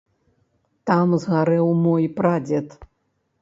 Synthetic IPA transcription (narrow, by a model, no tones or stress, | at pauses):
t̪amzɣaɾɛwmɔjpɾad͡zʲɛt̪